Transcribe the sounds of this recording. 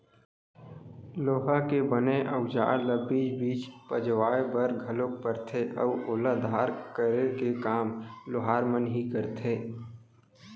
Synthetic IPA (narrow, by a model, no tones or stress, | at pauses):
loːɦakebəneʔəʊd͡ʒa̰ːləbiːd͡ʒbiːt͡ʃpəd͡ʒwaːebəɾɡʱəlok̚pəɾt̪ʰeʔɔ̰ːoːlad̪ʱaːɾkəɾekekaːmlʊɦaːɾmənɦikəɾt̪ʰeː